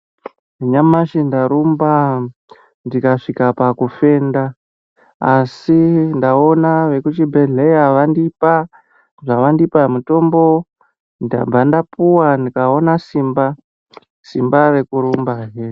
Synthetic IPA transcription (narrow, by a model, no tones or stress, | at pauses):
iɲamaʃindaɾumba | ndikaʂikapakufe̞ndaː | sindao̞naʋe̞kut͡ʃibʱe̞ɮe̞jaʋandipa | ʐaʋandipamuto̞mbo̞ | nda̰b͡vandapuwandikao̞nasimba | simbare̞kuɾumbaɦe